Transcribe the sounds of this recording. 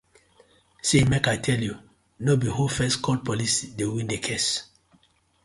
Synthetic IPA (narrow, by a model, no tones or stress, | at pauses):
semekajtʰɛlju | nobihufɛskʰɔl̚pɔlisidewĩndekʰes